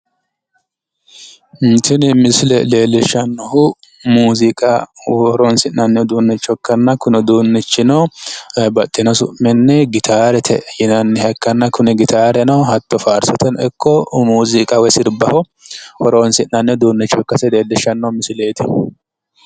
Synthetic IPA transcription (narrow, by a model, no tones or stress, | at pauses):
nt̪ɪnmɪslɛle̞ːlːɛʃɐnːɐhʊ | muːzɪkʼawɾoːnsɪnːɐnːɛd̪uːnːɛt͡ʃːɔkːɐnːɐkʊnɛd̪uːnːɛt͡ʃːɪnɐ | bɐt̪ʼːɪnɐsʊ̰ʔmɛnːɛɡɪt̪ʰaːɾɛt̪ʰɛjɪnɐnːɛhɐkːɐnːɐkʊnɛɡɪt̪ʰaːɾɛnɐhɐt̪ːɔfaːɾsɔt̪ʰɛnɛkʰːɔmuːzɪkʼawɛsɪɾbɐhɔ | hɔɾoːnsɪnːɐnːɛd̪uːnːɛt͡ʃːɔkːɐsɛle̞ːlːɪʃːɐnːɐhʊmɪsleːt̪ʰɪ